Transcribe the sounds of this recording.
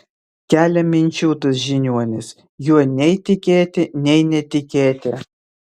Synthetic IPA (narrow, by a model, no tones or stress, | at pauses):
kʲæːlʲɛmʲɪnʲt͡ʃʲuːt̪ʊsʒʲɪnʲuɔnʲɪs | juɔnʲɛɪt̪ʲɪkʲeːt̪ʲɪnʲɛɪnʲɛt̪ʲɪkʲeːt̪ʲɪ